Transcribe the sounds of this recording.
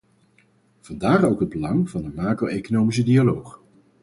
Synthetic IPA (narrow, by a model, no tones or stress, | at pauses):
v̥ɑndaːχowkɦəd̚bəlɑŋv̥ɑndəmaːkroʔejkonowmis̬ədialowχ